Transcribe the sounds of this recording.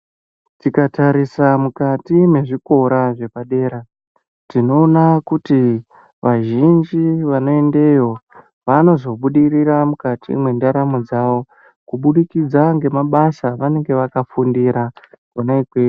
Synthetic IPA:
tikataɾisamukatime̞ʐiko̞ɾaʐe̞paɗe̞ːɾa | tino̞ːnakuti | ʋaʒind͡ʒiʋano̞e̞nde̞jo̞ | ʋano̞zo̞ɓuɗiriɾamukatḭmwe̞ndaɾamud͡zaʋo̞ | kuɓuɗikid͡zaŋɡe̞maɓasaʋane̞ŋɡe̞ʋakafundiɾakonaikweː

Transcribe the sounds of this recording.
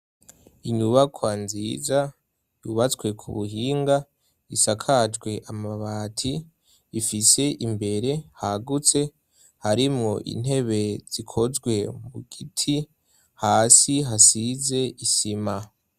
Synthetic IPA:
iɲuβakʰwanziːza | juβat͡swe̞kʰṵβuhiːŋɡa | isakʰad͡ʒɡwe̞ʔamaβaːtʰiː | fise̞ʔimbe̞ɾe̞haɡut͡se̞ | haɾimŋoʔḭn̥he̞βe̞z̥ikʰo̞zɡwe̞muɡ̥itʰi | haːsiɦasize̞ʔisima

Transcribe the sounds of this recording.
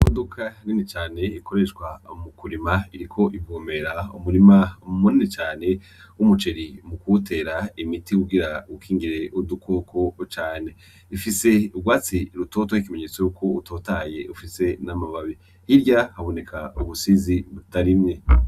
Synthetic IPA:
mudukʰaninit͡ʃaːne̞ikʰo̞ɾe̞ʃkwamukuɾimaiɾikʰo̞ʔivɡoːmbe̞ɾaumuɾimauumuninit͡ʃaːne̞ | wumut͡ʃe̞ɾimukutʰe̞ɾaimitikuɡiɾaukʰiːŋɡiɾe̞ʔudukʰokʰot͡ʃaːne̞ | ifise̞uɡwaːt͡siɾuto̞tohikime̞ɲet͡sojukʰo̞uto̞taje̞ufise̞namaβaβi | hiɾɟahaβo̞ne̞kʰauβusiziβutaɾimŋe̞

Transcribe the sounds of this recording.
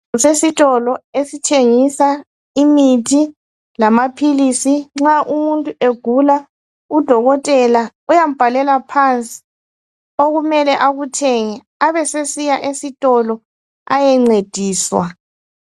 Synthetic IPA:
sesitʼɔlɔesitʰeŋisa | imitʰi | lamapʰilisiŋ͡ǁaʔumuntʼueɡ̥ʱula | ud̥ʱɔɣɔtʼɛla | ujam̩b̥ʱalɛlapʰant͡sʼi̥ | oɣumɛlɛʔaɣutʰɛŋɛ | aβɛsesijaʔesitʼɔlɔ | a̰jɛŋ͡ǀed̥ʱiːswa̰

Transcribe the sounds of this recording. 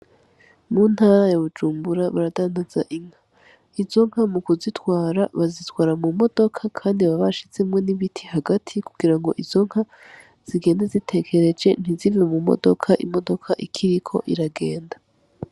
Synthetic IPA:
mun̥haːɾajaβud͡ʒuːmbuɾaβaɾadaːndaz̥aʔiŋ̥ha | izo̞ŋ̥hamukuzitwaːɾaβazitwaːɾamumo̞do̞kʰakʰaːndiβaβaʃit͡se̞mŋe̞niβitʰihaɡatʰikuɡ̥iɾaŋɡo̞̰ʔizo̞ŋ̥ha | z̥iɡe̞ːndazitʰe̞kʰe̞ɾe̞d͡ʒe̞n̥izivemumo̞̰do̞̰kʰaʔimo̞do̞kʰaʔikʰiɾikʰo̞̰ʔiɾaɡe̞ːnda

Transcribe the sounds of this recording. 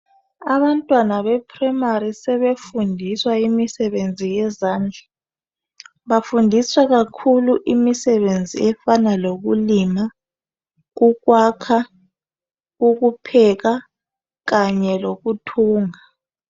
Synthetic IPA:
aβantʼwanaβɛpʰrɛmaɾisɛβefundʱiswaimisɛβend͡zʱijɛzaːnd͡ɮʱa | βafundʱiswaɣakʰuluʔimisɛβend͡zʱiɛfanaloɣ̬ulima | ɣuɣwakʰa | ɣuk̬upʰɛɣa | ɣaɲɛloɣutʰuːŋa

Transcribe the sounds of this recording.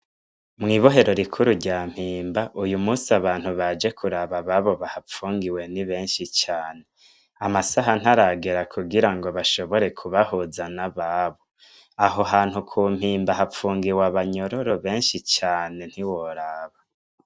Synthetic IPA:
mŋiːβo̞ɦe̞ɾoɾikʰuɾuɾɟaːm̥hiːmbaʔujumuːsaβaːn̥huβad͡ʒe̞kʰuɾaβaβaβo̞βahap͡fuːŋɡiwe̞niβe̞ːnʃit͡ʃaːne̞ | amasaɦan̥haɾaɡeɾakʰuɡiɾaŋɡo̞βaʃo̞βo̞ɾe̞kʰuβahuzanaβaβo̞ | aɦo̞ɦaːnhukʰuːm̥hiːmbaɦap͡fuːŋɡiwaβaɲo̞ɾoɾo̞βe̞ːnʃit͡ʃaːne̞n̥hiwoɾaːβa

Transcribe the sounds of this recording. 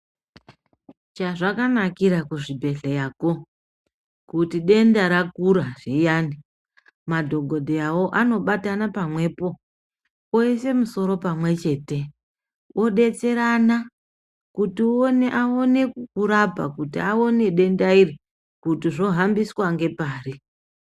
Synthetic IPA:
t͡ʃaʐakanakiɾakuʐibʱe̞ɬejaːko̞ | kutiɗe̞ndaɾakuɾaʐijaːni | madʱo̞ɡʱo̞dʱeawo̞ʔano̞ɓatanapamwe̞ːpo̞ | oese̞muso̞ɾo̞pamwe̞t͡ʃe̞ːte̞ | wʔo̞ɗe̞t͡se̞ɾana | kutiuoneʔaone̞kkuɾapa̰kutiao̞ne̞ɗe̞ndairi | kutiʐo̞ɦambiswaŋɡe̞paːri

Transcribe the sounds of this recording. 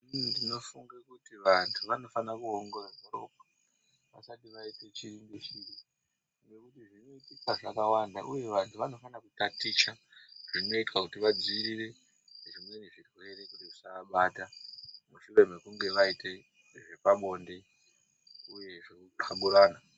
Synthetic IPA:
dino̞fuŋɡakutiʋantʰuʋano̞fanakuoŋɡoradʱoɾop̚ḁ | ʋa̰satiʋaite̞t͡ʃiriŋɡiʃiri | ŋɡe̞kutiʐino̞itikaʐakawandaʔuje̞ʋantʰuʋano̞fanakutatit͡ʃaʐ̥ino̞itkakutiʋad͡ziiɾire̞ | neʐimwe̞neʐirwe̞ɾe̞kutiusaaɓaːtamuʃureme̞kuŋɡe̞ʋaite | ʐe̞paɓo̞ːnde̞ | uje̞ʐe | aɓuɾaːna

